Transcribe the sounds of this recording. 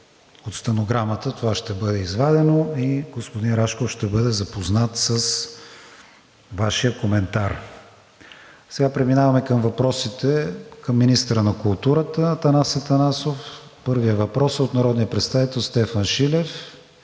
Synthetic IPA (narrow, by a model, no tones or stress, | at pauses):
ot̪st̪ɐnoɡɾamət̪ət̪ovaʃt̪ɛbɤd̪ɛizvad̪ɛnoiɡospod̪inɾaʃkofʃt̪ɛbɤd̪ɛzɐpoznat̪səs | vaʃijəkomɛnt̪aɾ | sɛɡapɾɛminavɐmɛkəmvɐpɾɔsit̪ɛkəmːinist̪əɾənɐkulˠt̪uɾət̪ət̪ɐnasət̪ɐnasofpɤɾviəvɐpɾɔsot̪nɐɾɔd̪nijəpɾɛt̪st̪avit̪ɛlˠst̪ɛfɐnʃilɛf